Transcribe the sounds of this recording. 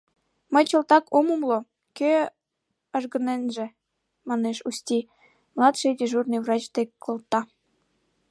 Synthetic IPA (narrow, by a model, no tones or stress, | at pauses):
məjt͡ɕə̆lt̪ɑkomumlo | kø | ɑʒɣə̆nenʒĕ | mɑneʃust̪ʲi | mlˠɑt̪ʃid̪ʲeʒurnɨjvrɑt͡ɕd̪ekkːolt̪ːɑ